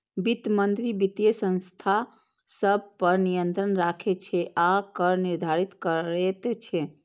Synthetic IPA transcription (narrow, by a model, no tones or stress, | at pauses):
bit̪mənd̪ɾibit̪jəsə̃nst̪ʰa | səb̚ʱpəɾnijənt̪ɾənɾakʰet͡ʃʰɛʔakəɾniɾd̪ʱaɾit̪kəɾet̪et͡ʃʰɛ